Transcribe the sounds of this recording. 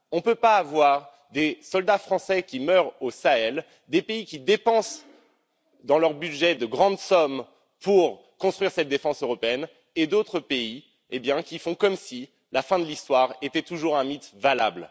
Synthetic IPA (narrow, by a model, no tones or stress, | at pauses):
ɔ̃pøpaːvwaʁ | d̪esɔld̪afχɑ̃sɛkʲimœʁosaɛl | d̪epeikʲid̪epɑ̃s | d̪ɑ̃lœʁbyʒɛd̪əɡʁɑ̃d̪sɔm | puʁ | kɔ̃st̪χɥiʁsɛt̪̚d̪efɑ̃søʁɔpeɛn | ed̪ot̪χəpei | ebjɛ̃kʲifɔ̃kɔmsi | lafɛ̃d̪əlist̪waʁet̪ɛt̪uʒuʁɛ̃mit̪valabl